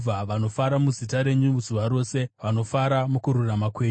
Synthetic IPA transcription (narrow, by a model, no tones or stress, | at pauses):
aʋano̞faɾamuzitaɾe̞ɲuzuʋaɾo̞ːse̞ʋano̞faɾamukuɾuramakweːɲ